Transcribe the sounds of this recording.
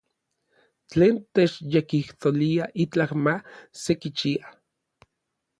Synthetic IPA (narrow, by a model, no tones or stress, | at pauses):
t͡ɬeːnt̪et͡ʃjekiht̪oliaʔit͡ɬahmasekit͡ʃia